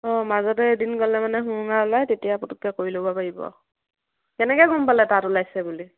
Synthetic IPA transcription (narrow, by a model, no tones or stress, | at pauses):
ɔ̃mazɔtɛdinkɔlɛmanɛɦuɔŋalajtetijaputukːɛkoɹilobapaɹibɔ̰ | kɛnɛkɛɡʱɔmpalɛtatulajsɛbuli